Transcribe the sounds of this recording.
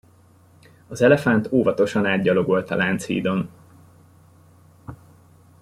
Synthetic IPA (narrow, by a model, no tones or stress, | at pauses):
ɒzɛlɛfant̪oːvɒt̪o̞ʃɒnaːd̪ɟɒlo̞ɡo̞lt̪ɒlaːnt̪shḭːd̪o̞n